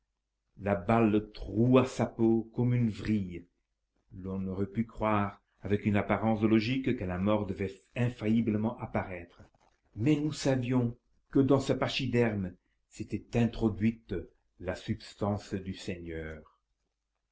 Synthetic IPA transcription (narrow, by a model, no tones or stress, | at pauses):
labalt̪ʁuasapokɔmynvʁij | lɔ̃nɔʁɛpykχwaːʁ | avɛkynapaʁɑ̃slɔʒikkəlamɔʁd̪əvɛ | ɛ̃fajibləmɑ̃ʔapaʁɛt̪χə | mɛnusavjɔ̃ | kəd̪ɑ̃səpaʃid̪ɛʁm | set̪ɛt̪ɛ̃t̪χɔd̪ɥit̪ | lasybst̪ɑ̃sd̪ysɛɲœːʁ